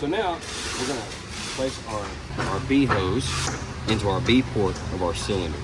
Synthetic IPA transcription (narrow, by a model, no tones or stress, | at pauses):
soʊnaʊ | wɪɹɡʌnə | pʰl̥eɪsɑ̃n | aʊə˞biɦoʊz | ɪ̃ntuaʊə˞bipʰɔɹɾʌvaʊə˞sɪlˠə̃nə̰˞